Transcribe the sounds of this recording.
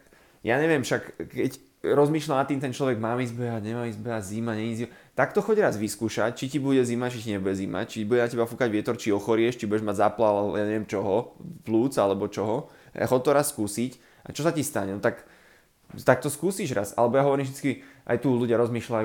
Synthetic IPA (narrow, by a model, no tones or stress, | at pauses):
jaːɲɛʋɪɛmʃakkɛc | ɾɔzmiːʃlanat̪ːiːmt̪ɛnt͡ʃlɔʋɛɡmaːmizbɛaɲɛmaːmizbɛazimaɲɛizimat̪akt̪ɔxɔɟɾazʋiskuːʃa̰c̚t͡ʃicibuɟɛzimat͡ʃiciɲɛbuɟɛzima̰t͡ʃibuɟɛnacɛbafukaɟʋɪɛt̪ɔɾt͡ʃiɔxɔɾɪɛʃt͡ʃibujɛʒmaɟzaplalaljaɲɛʋɛmt͡ʃɔɦɔpluːt͡salɛbɔt͡ʃɔɦɔ̰ | xɔt̪ːɔɾasːkuːsic | ʔa̰t͡ʃɔsacist̪aɲɛnɔt̪ak | t̪ak̚t̪ɔskuːsiʒɾasa̰lɛbɔjaɦɔʋɔɾiːmʒd̪it͡skiʔa̰jt̪uːluɟɪaɾɔzmiːʃlaj